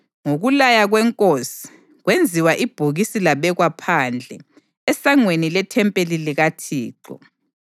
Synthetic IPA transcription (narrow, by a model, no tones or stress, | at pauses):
ŋoɣulajaɣwɛŋkʼosi̥ | ɣwend͡zʱiwaʔib̥ʱuɣisilaβɛɣwapʰand͡ɮʱɛː | saŋwenilɛtʰɛmpʼeliliɣatʰiːǃɔ̰